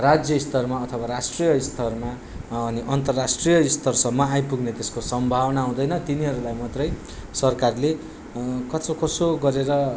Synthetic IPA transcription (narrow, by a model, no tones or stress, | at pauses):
rad͡zjʌist̪ʌrmaʌt̪ʰʌbaɾasʈrijʌist̪ʰʌrma | ʌniʔʌnt̪ʌrːasʈrijʌist̪ʰʌrsʌmːʌajpuɡnet̪eskosʌmbʱawnaɦũd̪ʌjnʌt̪iniɦʌɾulajmʌt̪rʌj | sʌrkarle | kʌt͡sokʌsoɡʌɾeɾʌ